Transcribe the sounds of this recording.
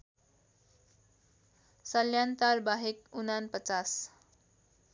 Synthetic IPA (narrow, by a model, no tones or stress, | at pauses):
səljant̪aɾbaɦekunanpət͡sas